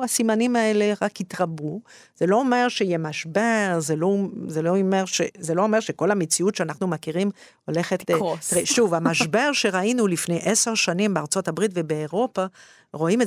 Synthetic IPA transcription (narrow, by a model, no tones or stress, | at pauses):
asimanimae̞leʁakitʁabu | z̥elo̞omeʁʃejemaʃbeʁzelozeloomeʁʃezelo̞omeʁʃeko̞lamet͡siutʃeanaχnumakiʁim | ole̞χett̪ʁeʃuvamaʃbeʁʃe̞ʁainulifnejʔeseʁʃanimbeaʁt͡so̞tabʁitvebeːʁo̞pa | ʁo̞ime